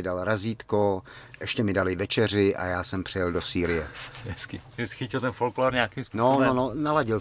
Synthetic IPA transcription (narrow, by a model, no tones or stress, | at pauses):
ɪdalɾaziːt̪koʔɛʃcɛmɪdalɪvɛt͡ʃɛr̝ɪʔa̰jaːsɛmpr̥ɪjɛldosiːɾɪjɛɦɛskɪʒɛsɪ̥xɪcɪlt̪ɛnfolklaːɾɲɛaːkimspunsoonononalaɟɪl